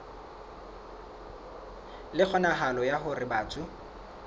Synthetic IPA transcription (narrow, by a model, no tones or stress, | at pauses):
lɪk͡xʰɔnaɦalɔjaɦʊrɪbaːt͡sʼʊ